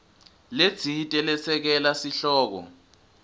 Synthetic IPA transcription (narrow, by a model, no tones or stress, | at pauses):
le̥t͡sʰitʼɛlɛsɛk̬ɛlasiɬɔːk̬ɔ̰